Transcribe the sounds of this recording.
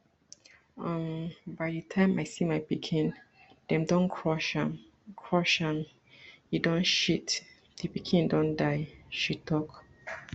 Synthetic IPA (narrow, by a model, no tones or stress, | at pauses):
ãmbaɪdətʰãɪ̃maɪsimaɪpikʰĩn | d̥ɛ̃mdɔ̃nkʰɹɔʃãm | kʰɹɔʃãm | idɔ̃nʃit | d̥ipikʰĩndɔ̃ndaɪʃitʰɔk